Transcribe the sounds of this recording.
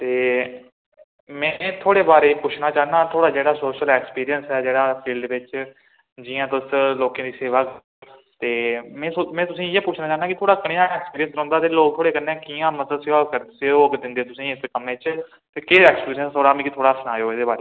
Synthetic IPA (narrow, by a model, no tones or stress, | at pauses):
t̪eː | mɛ̃ːt̪ʰoːɽeːbaːɾeːpʊt͡ʃʰnaːt͡ʃaːnaːt̪ʰoːɽaːd͡ʒeːɽaːsoːʃəlɛːkspiːɾiənsɛːd͡ʒeːɽaːpʰiːlɖeʋɪt͡ʃ | d͡ʒɪːãːt̪ʊsloːkãːd̪iːseːʋaːkː | t̪eːmɛ̃ːsomɛ̃ːt̪ʊsĩːeːpʊt͡ʃʰnãːt͡ʃaːɦnaːkɪt̪ʰoːɽaːkəɽeãːɛːkspiːɾijənsɾɔ̃ːnd̪aːt̪eːloːk̚t̪ʰoːɽeːkənːẽːkiːãːməsəsɪʋaːkəɾd̪seoːkd̪ɪ̃nd̪eːt̪ʊsĩːɪskəmẽːt͡ʃ | t̪eːkɪɛːkspiːɾiənst̪ʰoːɽaːmĩːkɪt̪ʰoːɽaːsənaːjoːɪd̪eːbaːɾeː